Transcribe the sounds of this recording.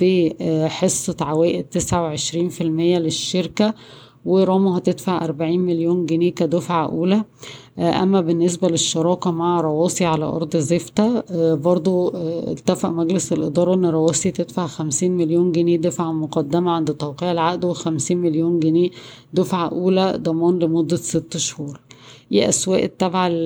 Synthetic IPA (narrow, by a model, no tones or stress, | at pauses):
b̥eħesˤːɑt̪ʕawæːʔed̪̚t̪ːesʕaweʕeʃɾiːnfilmejːæleʃːeɾkæ | weɾˤɑːmɑhæt̪ed̪faʕʔɑ̰ɾˤbaʕiːnmeljuːnɡeneːkæd̪ofʕaʔuːlæ | ʔæ̰mːæbenːes̬bæleʃːɑɾˤɑːkæmaʕaɾˤɑwɑːsˤiʕalæ̰ʔɑ̰ɾˤd̪ˤzeft̪æbɑɾˤd̪ˤoʔḛlt̪æfaʔmæɡleselʔed̪ˤɑːɾˤɑʔenːɾˤɑwɑːsˤit̪ed̪faʕxæmsiːnmeljoːnɡeneːd̪æfaʕmoqɑd̪ːæmæʕand̪et̪ˤːɑwqiːʕɪlʕaʔd̪wexæmsiːnmeljoːnɡeneː | d̪ofʕaʔuːlæd̪ˤɑmɑːnlemod̪ːæset̪ːʃhuːɾˤʔḭʔæswæːʔt̪ːæbʕa